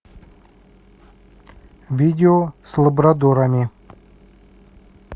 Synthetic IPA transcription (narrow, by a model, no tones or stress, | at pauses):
vʲidʲɪoslˠəbɾɐd̪oɾɐmʲɪ